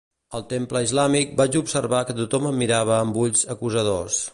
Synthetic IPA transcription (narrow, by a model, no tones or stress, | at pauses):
əlˠt̪empləizlamik̚bat͡ʃupsəɾβakət̪ut̪ɔməmːiɾaβ̞əːmbuʎzəkuzəðos